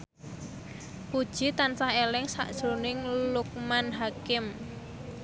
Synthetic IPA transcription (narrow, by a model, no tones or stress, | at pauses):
pud̥ʒ̥i̤t̪ansahelɪŋsa̰ʔd̥ʒ̥ɾunɪŋluk̚manɦakɪm